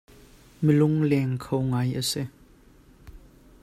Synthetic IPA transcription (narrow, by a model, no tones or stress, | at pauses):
melʊŋlɛŋkʰowŋajəsɛ